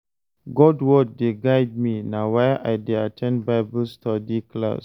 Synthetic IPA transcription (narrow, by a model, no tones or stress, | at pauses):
ɡɔdwɔd̚ːeɡaɪd̚minawajʔajdeatʰɛ̃ndbaɪbəlstʰɔdikla̰s